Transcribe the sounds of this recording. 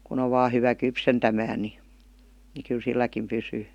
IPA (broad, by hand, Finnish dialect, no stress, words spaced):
kun o ʋɑː hyʋæ kypsentæmæː ni ni kyl silːækim pysyː